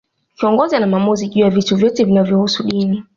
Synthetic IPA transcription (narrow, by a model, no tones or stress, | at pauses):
kiɔŋɡɔzanamamuziʄujavituvjɔtɛvinavjɔhusuɗini